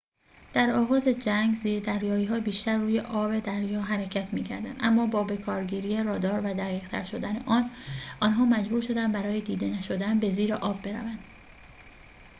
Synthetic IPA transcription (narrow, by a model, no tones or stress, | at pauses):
d̪̥æɾɒːɣɒːze̞d͡ʒæŋɡziːɾd̪æɾjɒːiːɦɒːbiːʃt̪æɾːuːje̞ʔɒːbe̞d̪æɾjɒːɦæɾecʰæt̪ʰmiːcʰæ̰ɾd̪æ̰nd̪ʔæ̰mːɒːbɒːbe̞kʰɒːɾɟiːɾiːjerɒːd̪ɒːɾvæd̪æɣiːʁt̪ʰæ̰ɾʃo̞d̪æne̞̰ʔɒːnʔɒːnɦɒːmæd͡ʒbuːɾʃo̞d̪ænbæɾɒːjed̪iːd̪e̞næʃo̞d̪ænbe̞ziːɾeʔɒːbːe̞ɾæ̰vænd̪̥